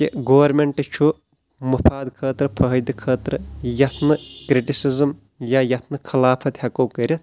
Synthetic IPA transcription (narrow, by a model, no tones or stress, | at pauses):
kiɡoːɐɾmeɳʈɨt͡ʃʰu | mɐfʰaːd̪kʰɐːt̪ɾɨpʰɐɦɐd̪ɨkʰɐːt̪ɾɨjɐt̪ʰnɨkɾiʈisizɨm | jajɐt̪ʰnɨkʰɐlaːpʰɐt̪hɐkoːkɐɾʲit̪